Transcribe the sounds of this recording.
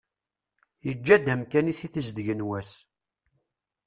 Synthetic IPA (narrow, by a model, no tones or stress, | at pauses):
jəd͡ʒːæd̪æmkænisiθəzd̪əʝənwæs